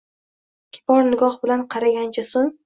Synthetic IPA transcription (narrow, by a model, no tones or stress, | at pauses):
kʲʰɪ̥pɒɾnɪɡɒhbɪlanqʰɑɾaɡʲant͡ʃʰasoŋ